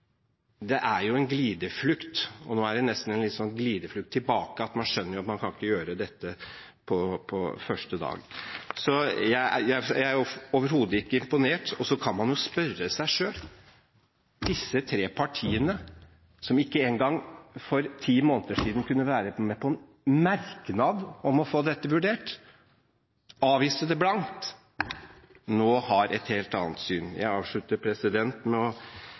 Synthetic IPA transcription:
d̪ɛʔæɾjʊɛnɡliːd̪əflʉkt̪ɔnoːæɖɛnɛst̪n̩ɛnlɪt̪sɔnɡliːd̪əflʉkt̪ʰːɪlbɑːkəɑt̪mɑnʂœnːəɾjʊɑt̪mɑnkʰɑnɪkːəjøːɾəd̪ɛt̪ːə | pʰɔpʰɔfœʂʈəd̪ɑ̰ːɡsɔjæɪæ̰jæɪjææɾjʊoːʋəɾhuːd̪əɪkːəɪmpʊneːʈɔsɔkʰɑnmɑnjʊspœrəsæɪʂøːl | d̪ɪsːət̪ʰɾeːpʰɑʈʰiːənə | sɔmɪkːəeːŋɡɑŋːfɔɾt̪ʰiːmoːnət̪əʂiːd̪n̩kʰʉnːəʋæːɾəmɛpʰɔɛn | mæɾknɑd̪ɔmɔfoːd̪ɛt̪ːəʋʉɖeːʈ | ɑːʋiːsəd̪ɛblɑnt̪ | noːhɑɾɛt̪heːlt̪ɑ̰ːnət̪syːnjæ̰ɪɑːʋʂɭʉt̪ːəɾpʰɾɛsɪd̪ɛnt̪mɛɔ

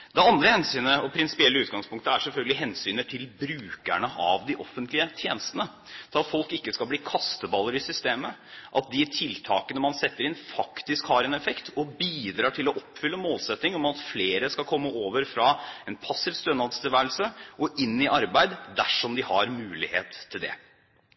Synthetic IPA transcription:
d̪ɛɑnd̪ɾəhɛnsyːnəɔpʰɾɪnsɪ̥pɪɛlːəʉːt̪ɡɑŋspʊŋk̚t̪əæʂɛlfœlɡəlɪɦɛnsyːnət̪ʰɪlbɾʉːkæɳəʔɑ̰ʋd̪ɪʔɔfːənt̪lɪət̪ʰjeːnəst̪ənə | t̪ʰɪlɑt̪fɔlkɪkːəskɑlbliːkʰɑst̪əbɑlːəɾɪsʏst̪eːməʔɑt̪̚d̪ɪt̪ʰɪlt̪ʰɑːkənəmɑnsɛt̪ːəɾɪnfɑkt̪ɪskhɑɾɛnɛfɛkt̪ʰɔbiːd̪ɾɑːʈʰɪlɔʔɔpːfʏlːəmoːlsɛt̪nɪŋɔmɑt̪fleːɾəskɑkʰɔmːəʔoːʋəɾfɾɑɛnpʰɑsɪʋst̪ønɑd̪st̪ɪʋæːɾlsəʔɔʔɪnːɪʔɑɾbæɪd̪d̪æʂɔmd̪ɪhɑɾmʉːlɪhḛːt̪ʰːɪld̪ɛ̰

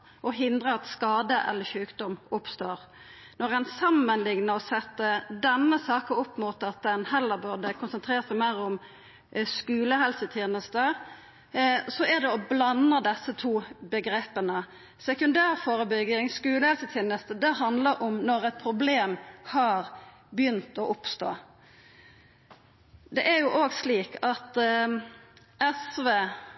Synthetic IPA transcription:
ʔɔɦɪnd̪ʁəɑt̪skɑːd̪əʔɛ̰lːəçʉːkd̪ɔmʊpst̪oːʁ | nɔʁɛnsɑmːənlɪŋnəɔsɛt̪ːəd̪ɛnːəsɑːkəʊpːmuːt̪ɑt̪̚d̪ɛnhɛlːəʁbʉʁd̪əkʰʊnsənt̪ʰɾeːʁt̪sæɪmæɪɾʊm | skʉːləhɛlsət̪ʰjeːnəst̪ə | sɔæd̪ɛɔblɑnəd̪ɛsːət̪ʰuːbəɡɾeːpənə | sɛkʉnd̪æːʁfoːɾəbʏɡɪŋskʉːləhɛlsət̪ʰjeːnəst̪əd̪ɛɦɑnd̪ləɾʔɔmnɔɾɛt̪̚pʰɾʊbleːmhɑɾ | bjʏnt̪ɔʔʊpst̪o̰ː | d̪ɛʔæɾjʊʔoːɡsliːkʰɑt̪ | ɛsʋeː

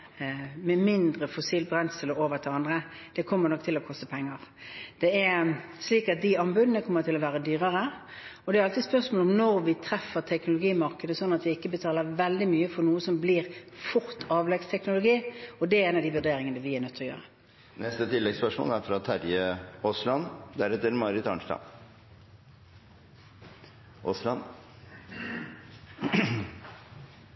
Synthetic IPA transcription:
mɛmɪnd̪ɾəfʊsiːlbɾɛnsəlɔoːʋət̪ʰɪlɑnd̪ʁəd̪̥ɛkʰɔmːəɾnɔkːt̪ʰɪlɔkʰɔst̪əpʰɛŋːɑʁd̪̥ɛɛɾsliːkɑt̪̚d̪ɪɑmbʉd̪ənəkʰɔmːəɾt̪ʰɪlɔʋæːɾəd̪yːɾəɾə | ɔd̪ɛɾɑlt̪ɪspœʁʂmoːlɔmnɔɾʋɪt̪ʰɾɛfːəɾt̪ʰɛknʊlʊɡiːmɑʁkəd̪əsɔnːɑt̪ʋɪɪkːəbət̪ʰɑːləʋɛld̪ɪmyːəfɔɾnuːəsɔmbliːɾfʊɾt̪ʰɑːʋlɛɡst̪ʰɛknʊlʊɡiːɔd̪ɛeːnɑd̪ɪʋʉd̪eːɾɪŋənəʋɪɛnœt̪ʰːəɾɔjø̰ːʁə | nɛst̪ət̪ʰɪlːɛɡspœʂmo̰ːlæɾfɾɑt̪ʰæɾjəoslɑnd̪æɾɛt̪ːəɾmɑːɾɪt̪ɑnʂlɑ̰ | ʔɔslɑn

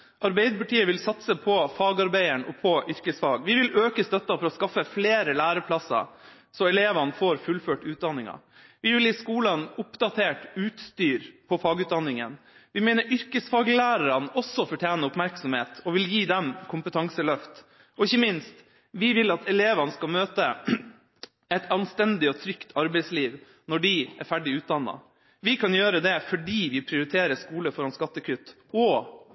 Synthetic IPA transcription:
ʔɑɾbæɪd̪əpɑʈiːəʋɪlsɑt̪səpʰɔfɑːɡɑɾbæɪəɳɔ̰pʰɔʔʏɾkəsfɑːɡʋɪʋɪløːkəst̪œt̪ːɑfɔɾɔskɑfːəfleːɾəlæːɾəpʰlɑsɑ̰ | sɔɛleːʋɑnfoːɾfʉlføːʈʉːt̪̚d̪ɑnːɪŋɑ̰ | ʋɪʋɪlɪskuːlənʊpd̪ɑt̪ʰeːʈʉːt̪st̪yːɾpʰɔfɑːɡʉːt̪̚d̪ɑnːɪŋə̰n | ʋɪmæɪnəɾʔʏɾkəsfɑːɡlæːɾɑɾɑnɔsːɔfɔʈʰjæːnəʊpmæɾksɔmheːt̪ɔʋɪljiːd̪ɛmkʰʊmpət̪ʰɑŋsəlœft̪ | ɔɪçːəmɪnst̪ | ʋɪʋɪlɑt̪ʰɛleːʋɑnəskɑmøːt̪ə | ɛt̪ʰɑnst̪ɛnd̪ɪɔt̪ʰɾʏkt̪ʰɑɾbɛɪsliːʋ | nɔɖɪæ̰ɾfæɖɪʉːt̪̚d̪ɑnːɑ̰ | ʋɪkʰɑnjøːɾəd̪ɛfɔɖiːʋɪpʰɾɪʊɾɪt̪ʰeːɾəʂkuːləfɔɾɑnskɑt̪ːəkʰʉt̪ː | ɔ

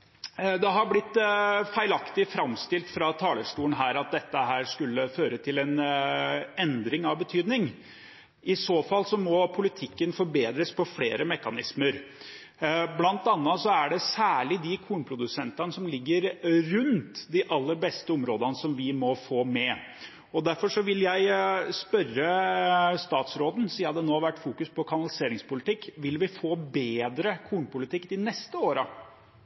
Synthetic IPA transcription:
d̪ɛɦɑɾblɪt̪ːfæɪlɑkt̪ɪfɾɑmst̪ɪlt̪fɾɑt̪ʰɑːləʂʈuːənɦæːɾɑt̪̚d̪ɛt̪ːəɦæːɾʂkʉlːəføːɾət̪ʰɪlɛn | ɛnd̪ɾɪŋɑʋbət̪ʰyːd̪nɪŋ | ɪsoːfɑlsɔmɔpʰʊlɪt̪ʰɪkːənfɔɾbeːd̪ɾəspʰɔfleːɾəmɛkːɑnɪsməɾ | blɑnt̪ɑnːɑsɔæɖɛsæːɭɪd̪ɪkʰuːnəpʰɾʊd̪ʉsɛnt̪ɑnəsɔmlɪɡːəɾɾʉnt̪d̪ɪʔɑlːəɾbɛst̪əʊmɾoːd̪ɑnəsɔmʋɪmɔfoːmɛ | ɔd̪æɾfɔʂɔʋɪljæɪspœrə | st̪ɑːt̪sɾoːd̪n̩siɑd̪ɛnoːɑʋæʈːfuːkʉspʰɔkʰɑnɑlɪseːɾɪŋspʊlɪt̪ɪkːʋɪlʋɪfoːbeːd̪ɾəkʰuːnəpʊlɪt̪ʰɪkːd̪ɪnɛst̪əoːɾə

